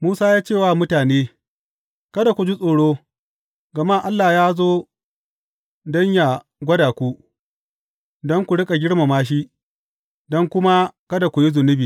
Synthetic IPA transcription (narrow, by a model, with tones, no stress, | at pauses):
muː˦saː˦jaː˦t͡ʃe˦˨wa˦˨mʊ˦taː˨neː˦ | kɐ˦da˨kʷu˨d͡ʒi˦sʼoː˨ɽoː˦ | ɡɐ˨ma˦˨ʔa˦lːaː˨jaː˦zoː˦ | dɔ˦ɲja˨ | ɡʷɐ˦daː˨kʷu˦ | dɔ˦ŋkʷu˨ɽɪ˦kʼa˨ɡʲɪ˦ɽma˨maː˦ʃ̬i˦ʔ | dɔ˦ŋkʷʊ˦ma˦kɐ˦da˨kʷu˨ji˦zʊ˨nɪ˦biː˨